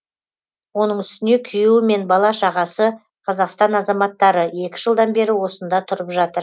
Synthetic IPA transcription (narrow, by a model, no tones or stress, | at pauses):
wo̞nəɴʏst̪ɪne̞kʲʰʏjuwɪme̞nbɑlˠɑʃɑʁɑsə | qʰɑzɑqst̪ɑnɑzɑmɑt̪ːɑɾəe̞kʲɪ̥ʒəlˠd̪ɑnbe̞ɾɪwo̞sənd̪ɑt̪ʰʊɾəpʒɑt̪əɾ